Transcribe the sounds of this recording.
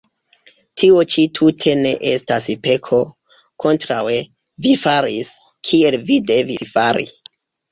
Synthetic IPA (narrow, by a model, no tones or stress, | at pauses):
tʰiot͡ʃitʰutʰe̞ne̞ʔestaspe̞kʰo̞ | kʰo̞ntɾawevifaɾis | kʰie̞lvide̞vifaɾḭ